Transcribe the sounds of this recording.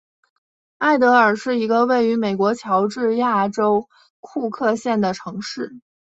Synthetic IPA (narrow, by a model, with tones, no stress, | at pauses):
a˥˩ɪt̪̬ɤ˧˥ə˞˨˩ʂɻ̩˥˩i˧˥ɡə˧we˥˩ɪy˧˥me˨˩ɪkwɔ˧˥t͡ɕʰjɑ˧˥ʊʈ͡ʂɻ̩˥˧ja˥˩ʈ͡ʂo˥ʊ | kʰu˥˧kʰɤ˥˧ɕjɛ˥˩nd̪ə˩ʈ͡ʂʰɤ˧˥ŋʂɻ̩˥˩